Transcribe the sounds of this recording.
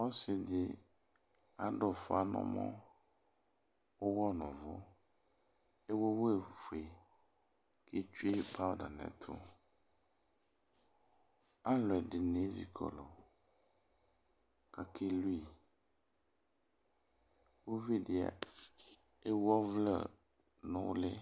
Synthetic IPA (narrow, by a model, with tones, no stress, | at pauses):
ɔ˦sɪ˨dɪ˦ | a˨dɔ˨fʊ˨a˨nɔ̰̃˦mɔ̰̃˦ | ʊ˦wɔ˦nʊ̃˨vʊ̰˦ | ɛ˦wo˦wo˦e˨fu˨e˨ | kʰe˦t͡ʃᶣu˦e˦pʰa˦da˨nɛ̰̃˨tʰʊ̰˦ | a˦lɔ˨ɛ˨ɖɪ˨ne˨˦zḭ˨kʰɔ̰˨lɔ˨ | ka˨kʰe˦lu˦i˨ | wo˦vi˦dɪ˨a̰˨ | e˦wɔ˦vlɛ̰˨ | nʊ̃˦wle˦